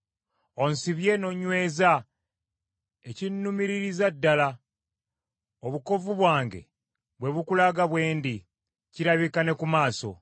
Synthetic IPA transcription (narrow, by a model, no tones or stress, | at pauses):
o̞nsiβje̞no̞ɲwe̞ːza | ecinːumiɾiɾizadːala | oβuko̞vuβwaːŋɡe̞̰ | βwe̞βukulaɡaβwe̞ːndi | ciɾaβikane̞kumaːso̞̰